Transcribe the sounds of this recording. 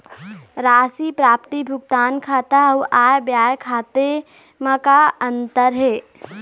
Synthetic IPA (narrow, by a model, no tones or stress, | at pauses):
ɾaːsipɾaːp̚t̪ibʱʊɡ̚t̪aːnkʰaːt̪auʔaːjbjaːjkʰaːt̪e | məkaənt̪əɾɦeː